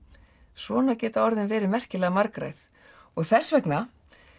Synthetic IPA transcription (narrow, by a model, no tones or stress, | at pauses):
svɔːnacɛːt̪aɔɾðɪnvɛːɾɪmɛr̥cɪlɛːɣamaɾkɾa̰jθ | ɔɣθɛsːvɛkna